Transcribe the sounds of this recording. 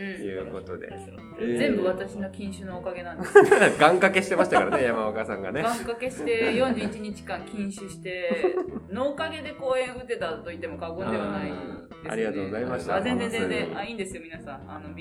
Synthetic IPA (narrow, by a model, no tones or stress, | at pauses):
jɯ̟ːko̞t̪o̞d̪e̞̰ | zẽ̞mbɯ̟βat̪aɕino̞kʲĩɰ̃ɕɨnoːkaɡe̞nãnde̥ɡãŋkake̞ɕit̪e̞maɕi̥t̪akaɾanejamaakasã̰ŋɡa̰neɡãŋkake̞ɕi̥t̪e̞jõɲ̟d͡ʑɨːit͡ɕiɲ̟it͡ɕi̥kãŋkʲĩɰ̃ɕɨɕi̥t̪e̞ | no̞ːkaɡe̞d̪e̞ko̞ːẽ̞ɰ̃ɯ̟t̪e̞t̪at̪ːo̞it̪ːe̞mo̞kaɡond̪eanai | a̰ɾʲiɡat̪oːɡo̞zaimasaazend͡zẽnd͡zẽnzẽaĩːnd̪e̞sɨjo̞mʲinasãŋano̞